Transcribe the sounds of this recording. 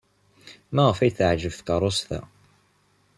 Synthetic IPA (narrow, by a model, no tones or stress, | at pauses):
mæʁəfæjθəʕʒəvθkɑɾˤost̪æ̰